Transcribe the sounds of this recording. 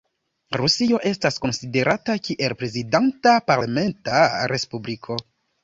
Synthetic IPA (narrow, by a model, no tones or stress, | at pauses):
ɾusio̞ʔe̞stasko̞nside̞ɾʔatakiʔe̞lpɾe̞zidantapaɾlame̞ntaɾe̞spublikʰo̞